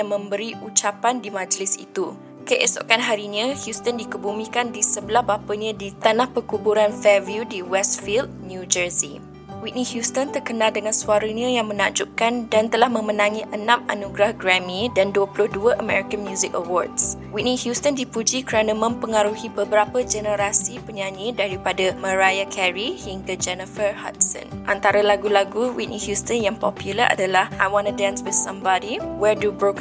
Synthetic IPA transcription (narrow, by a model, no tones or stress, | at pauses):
jaŋmə̃mbəɾiʔut͡ʃapandimãd͡ʒəlɪsḭt̪u | kəʔɛso̰ʔkanɦaɾinãhjust̪əndikəbumĩkandisəbəlahbapəɲãdit̪anahpəkubuɾanfɛvjudiwɛstfild̚njud͡ʒəzi | wiʔ̚nihjust̪ənt̪ərkənãldəŋãnsuaɾəɲãjaŋmənaʔd͡ʒuʔkandant̪əlahmə̃mənãŋĩʔənãma̰nuɡɾahɡɾamĩdanduəpulʊhduəʔəmɛɹikənmjuzɪkəwɔrdswiʔnihjust̪əndipud͡ʒikəɾanəmə̃mpəŋaɾuhibəbəɾapəd͡ʒɛnəɾasipəɲaɲĩdaɾipadamə̃ɾajakʰɛɹihiŋkəd͡ʒɛnəfərha̰t̪̚sə̰̃nʔant̪aɾalaɡulaɡuwḭʔnihjust̪ənjaŋpɔpjuləɾʔa̰dalahʔajwanudanswɪθsãmbadiwɛdubɹok